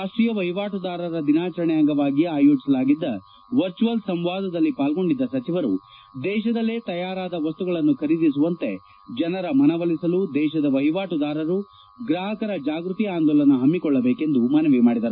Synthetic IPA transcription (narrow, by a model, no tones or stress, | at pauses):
aːʂʈɾijɐʋɐɦjiʋaːʈud̪aːɾɐɾɐd̪inaːt͡ʃɐɾɐɳɛjaːŋɡɐʋaːɡiaːjoːt͡ʃisɐlaːɡid̪ːɐ | ʋɐɾt͡ʃuʋɐlsɐmʋaːd̪ɐd̪ɐlːipaːlɡo̞ɳɖid̪ːɐsɐt͡ʃiʋɐɾṵ | d̪ɛːʃɐd̪ɐlːeːt̪ɐjaːɾaːd̪ɐʋɐst̪uɡɐɭɐnːukʰɐɾid̪is̬uʋɐnt̪e̞ | d͡ʒɐnɐɾɐmɐnɐʋɐlisɐlud̪ɛːʃɐd̪ɐʋɐɦjʋaːʈud̪aːɾɐɾu | ɡɾaːɦɐkɐɾɐd͡ʒaːɡɾut̪iaːnd̪ɔːlɐnːuɦɐmːikɔɭːɐbeːke̞nd̪umɐnɐʋimaːɽid̪ɐɾu